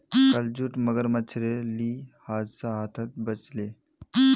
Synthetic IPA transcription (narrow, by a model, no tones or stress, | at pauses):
kəld͡ʑuʈməɡəɾmət͡ɕʰɾeliːhad͡zsaɦat̪ʰat̪̚bət͡sle